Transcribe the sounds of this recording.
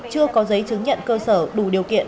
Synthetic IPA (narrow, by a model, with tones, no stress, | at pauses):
t͡ɕɨ˧əkɔ˨˦zə˨˦jt͡ɕɨ˨˦ŋɲə̰˧˨nkəː˧səː˧˩ɗu˧˩ɗi˨˩əwkḭ˧˨ən